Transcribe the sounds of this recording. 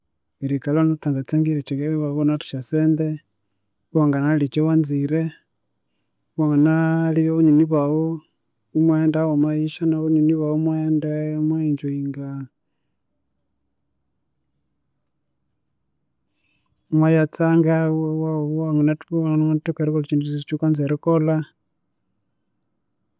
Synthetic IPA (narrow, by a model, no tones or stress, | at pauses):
iɾikalonot͡saŋɡat͡saŋɡiɾet͡ʃikeββaβonatu̥ʃaseːnde | βwaŋɡanalit͡ʃewanziɾe | βaŋɡanaliβeβuɲiniβawo | umweːndawomwajiʃanaβuɲiniβaomweːndemwaiɲd͡ʒuiŋɡa | mwajat͡saŋɡawawaŋɡunatnatukeɾikolt͡ʃinduit͡ʃukand͡zeɾekola